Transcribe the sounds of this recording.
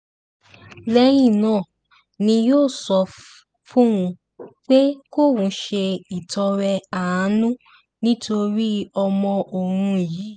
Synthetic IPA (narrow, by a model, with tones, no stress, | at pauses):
lɛ˧˦j̃ĩ˦˨nãː˦˨ | nĩ˧joː˦˨sɔ˧ | fũ˦wũ˧ | k͡pe˦ko˦˨wũ˨˧˦ʃe˧i˨tɔ˧ɾɛ˧a˨ã˨˦nũ˦ | nĩ˦to˧ɾi˦ɔ˧mɔ̃˧ʔo˨ɾ̃ũ˧˨ji˨˦